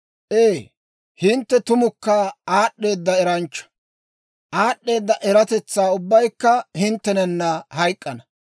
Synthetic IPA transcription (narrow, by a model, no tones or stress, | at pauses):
ʔeː | hɪnt̪ːɛt̪ʊmʊkːɐaːɗːe̞ːd̪ːɐɛɾɐnt͡ʃːɐ̥ | ʔaːɗːe̞ːd̪ːɐʔɛɾɐt̪ɛt͡sːaːʊbːɐjkːɐhɪnt̪ːɛnɛnːɐhɐjkʼːɐnɐ